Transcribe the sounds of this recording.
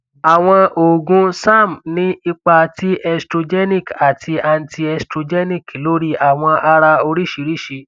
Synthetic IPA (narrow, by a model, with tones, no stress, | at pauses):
a˨w̃ɔ̃˧ʔo˨ɡũ˨˦sa˦˨m˨nĩ˦i˧k͡pa˧ti˦ʔɛ˧stɾo˧d͡ʒɛ˦nĩ˦˨ka˨tʰi˧a˧n̩˦tʰi˧ɛ˧stɾo˧d͡ʒɛ˦nĩ˦ki˨lo˦ɾi˦a˨w̃ɔ̃˧ʔa˧ɾa˧o˧ɾi˦ʃi˧˦ɾi˦˨ʃi˧